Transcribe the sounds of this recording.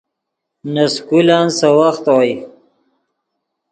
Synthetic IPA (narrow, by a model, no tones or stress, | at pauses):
naskulansawaxt̪waj